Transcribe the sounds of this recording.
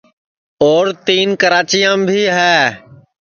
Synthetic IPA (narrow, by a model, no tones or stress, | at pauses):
oːɾt̪iːnkəɾaːt͡ʃijãːmbʱiːɦɛː